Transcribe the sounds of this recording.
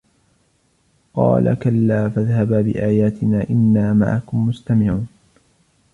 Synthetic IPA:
qɑ̰ːlʔa̰kalːaːfaðhababɪ̰ʔaːjaːt̪ɪnaːʔɪnːaːma̰ʕa̰kʊmːʊst̪amɪʕuːn

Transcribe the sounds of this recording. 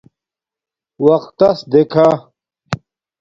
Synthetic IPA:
wɐqt̪ːɐsd̪ekʰa

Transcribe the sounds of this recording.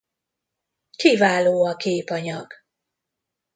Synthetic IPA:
kivaːloːɒkʰeːpɒɲɒɡ̥

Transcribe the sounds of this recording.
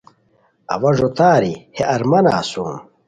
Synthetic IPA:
ɐ̰wɐʐot̪aːɾiheʔɐɾmɐna̰ːsṵːm

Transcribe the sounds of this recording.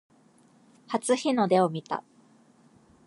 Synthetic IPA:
hat͡sɨçino̞d̪e̞omʲit̪a̰

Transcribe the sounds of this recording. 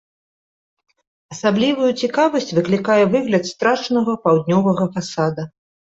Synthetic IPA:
ɐsablʲivujut͡sʲikavɐsʲt͡sʲvɨklʲikajɛvɨɣlʲɐt̪st̪ɾat͡ʂnɐɣɐpawd̪ʲnʲɔvɐɣɐfasad̪ɐ

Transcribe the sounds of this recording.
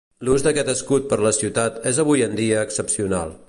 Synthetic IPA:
luzd̪əkɛt̪əskut̪̚pəɾləsiwt̪at̪ɛzəβ̞ujənd̪iəːksəpsiuna̰lˠ

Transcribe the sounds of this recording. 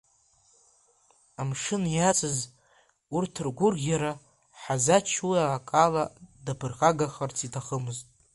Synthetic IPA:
amʂɨnjat͡sʼɨz | urtʰɨrɡʷʊrɡʲaɾa | ħazat͡ʃʰuaakʼaladapʰɨrχaɡaχart͡sʰitʰaχəmɨztʼ

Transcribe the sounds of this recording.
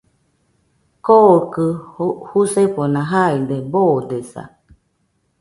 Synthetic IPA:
kokɯhuseponãɦaid̪eboːd̪esa̰

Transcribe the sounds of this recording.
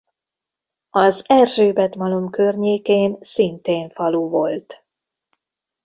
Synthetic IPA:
ɒzɛrʒøːbɛt̪mɒlomkørɲeːkeːnsint̪eːnfɒluvo̞lt̪

